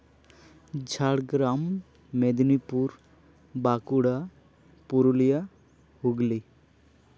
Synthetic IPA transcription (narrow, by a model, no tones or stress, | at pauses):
d͡ʒʱaɽɡɾamː | ed̪nipuɾ | bakuɽa | puɾulija | huɡli